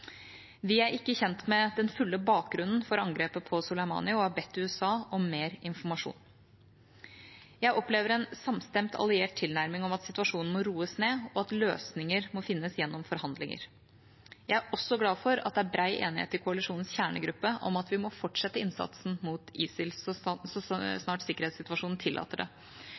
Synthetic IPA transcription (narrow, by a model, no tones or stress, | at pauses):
ʋɪæɾɪkːəçɛnt̪mɛd̪ɛnfʉlːəbɑːk̚ɡɾʉnn̩fɔɾɑŋɡɾeːpəpʰɔsʊlæɪmɑ̰ːnɪɔɑbɛt̪ːʉɛsɑːɔmeːɾɪnfɔɾmɑʂṵːn | jæɪʔɔpleːʋəɾɛnsɑmst̪ɛmt̪ʰɑ̰lɪeːʈ̚t̪ʰɪlnæɾmɪŋɔmɑt̪sɪt̪ʉɑʂuːnn̩mɔɾuːəsneːɔɑt̪løːsnɪŋəɾmɔfɪnːəsjɛnːɔmfɔɾhɑnd̪lɪŋə̰ɾ | jæɪæɾʔɔsːɔɡlɑːfɔɾɑt̪̚d̪ɛæbɾæɪʔḛːnɪhḛːt̪ːɪkʰʊɑlɪʂuːnn̩sçæːɳə̰ɡɾʉpːəʔɔ̰mɑt̪ʋɪmɔfɔʈʂɛt̪ːəɪnsɑ̰t̪sn̩muːt̪iːsɪlsɔsɔsnɑːʈsɪkːəɾheːt̪sɪt̪ʉʋɑʂuːnn̩t̪ʰɪlːʔɑ̰ːt̪əɖɛ̰